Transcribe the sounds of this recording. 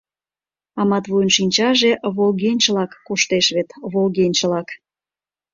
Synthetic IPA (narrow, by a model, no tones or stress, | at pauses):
ɑmɑt̪βujnʃinʲt͡ɕɑʒeβolɣenʲt͡ɕlɑkːoʃt̪eʃβet̪βolɣenʲt͡ɕlɑk